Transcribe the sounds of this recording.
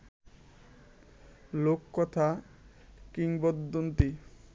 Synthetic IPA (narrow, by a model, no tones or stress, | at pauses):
lokːɔt̪ʰa | kiŋbɔd̪ːont̪i